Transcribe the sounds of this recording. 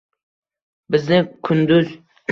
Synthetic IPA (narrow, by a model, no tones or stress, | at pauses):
bɪznɪkʰʊnd̪ʊz